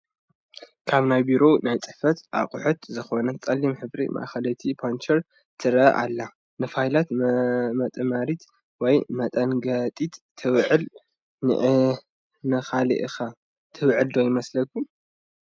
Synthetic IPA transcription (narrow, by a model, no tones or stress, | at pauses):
kʰaβnajbiɾo̞najt͡sʼɨħfɐt̪ʔa̰qʼʊħut̪zɨxo̞nɐt͡sʼɐlːimħɨβɾḭmʔa̰ʔxɐlɐt̪ʰipʰont͡ʃʰɐɾ | t̪ʰɨɾʔa̰lːa | nɨfajlat̪mɐt̪ʼmaɾit̪ | wɔjmɐt̪ʼɐnɡɐt̪ʼit̪t̪ʰːɨwʕɨl | nɨ̰ʔ | nɐxalḭʔɨxa | t̪ʰɨwʕɨld̪ojɪmɐslɐkʰːum